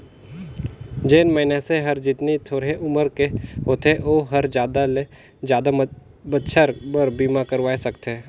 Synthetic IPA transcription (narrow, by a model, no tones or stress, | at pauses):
d͡ʒeːnməɪneseɦɐɾd͡ʒɪt̪nit̪ʰoːɾeʔʊməɾkeɦoːt̪eʔoːɦɐɾd͡ʒjaːd̪ale | d͡ʒjaːd̪a | bɐtːʃʰəɾbəɾbiːmakəɾʋaːesɐkt̪ɛː